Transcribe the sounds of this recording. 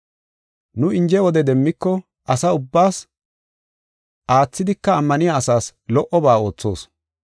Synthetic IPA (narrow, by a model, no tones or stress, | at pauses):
nʊɪnd͡ʒɛwɔd̪ɛd̪ɛmːɪkːɔ | ʔɐsɐʊbːaːs | ʔaːt͡sːɪd̪ɪkːɐːmːɐnɪjaːsaːslɔʔɔbaːo̞ːt͡sːo̞ːs